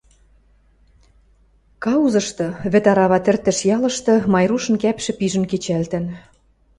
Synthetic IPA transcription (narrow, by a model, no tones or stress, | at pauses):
kɑuzɤ̆ʃt̪ɤ̆βɘ̆t̪ɑɾɑβɑt̪ɘ̆rt̪ɘ̆ʃjɑlɤ̆ʃt̪ɤ̆mɑjruʃɤ̆nkæpʃɘ̆piʒə̆nket͡ɕælt̪ɘ̆n